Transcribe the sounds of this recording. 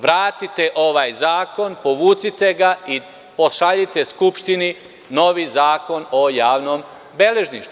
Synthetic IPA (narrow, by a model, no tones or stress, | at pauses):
ʋɾaːt̪it̪e̞ʔo̞ʋaːjzaːko̞npo̞ʋuːt̪sit̪e̞ɡai | poʃaʎit̪e̞skupʃt̪ini | no̞ʋizaːko̞no̞jaːʋno̞ːm | beleʒniʃt̪u